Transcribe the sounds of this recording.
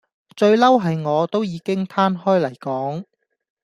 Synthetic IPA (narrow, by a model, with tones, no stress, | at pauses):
t͡ʃɵ˧ɥlɐ˥wɦɐ˨jŋɔː˨˧t̪o˥wjiː˨˧kɪ˥ŋt̪ʰaː˥nɦɔː˥jlɐ˨˩jkɔː˨˥ŋ